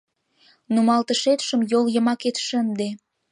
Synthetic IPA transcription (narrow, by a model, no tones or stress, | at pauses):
numɑlt̪əʃet̪ʃəmjoljə̆mɑket̪ʃənd̪e